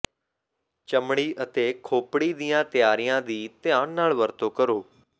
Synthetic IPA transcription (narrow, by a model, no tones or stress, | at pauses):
t͡ʃəmɽ̃iːʔət̪eːkʰoːpɽiːd̪ɪjãːt̪ɪjaːɾijãːd̪iːt̪ɪjãːɳnaːlʋəɾt̪oːkəɾoː